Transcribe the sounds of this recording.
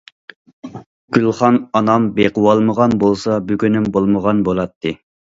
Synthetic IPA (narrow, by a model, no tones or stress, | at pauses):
ɡ̥ʲylˠχɑnɑnɑmbeqəwɑlˠməʁɑnbolˠsɑbyɡʲynymbolˠməʁɑnbolˠɑt̪ʰːɨ